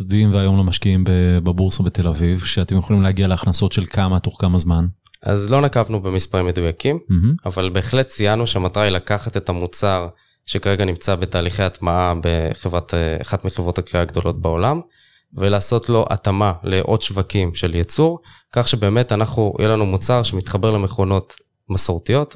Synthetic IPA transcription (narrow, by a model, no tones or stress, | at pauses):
sd̪imveajo̞mlemaʃkiimbebabuʁsobet̪elavivʃeat̪emjoχolimleaɡialeaχnaso̞tʃe̞lkʰamat̪oχkamazman | a̰zlo̞nakavnube̞mispaʁimːe̞d̪ujakimm̩ɦ̩avalbe̞ːχle̞tt͡sijanuʃeamat̪ʁailakaχat̪e̞t̪amut͡saʁ | ʃekaʁeɡanimt͡sabe̞t̪aːliχejatmaabeχe̞vʁat̪ḛːχatmeχevʁo̞t̪hakʁiaɡd̪o̞lo̞t̪̚bao̞lam | velaːso̞tlo̞ʔa̰t̪amaleʔo̞d̪ʃvakimʃe̞ljet͡suʁ | kaχʃebe̞ːme̞tanaχnujʔelanumut͡saʁʃe̞mit̪χabe̞ʁle̞me̞χo̞no̞t̪ | masoʁt̪ijo̞t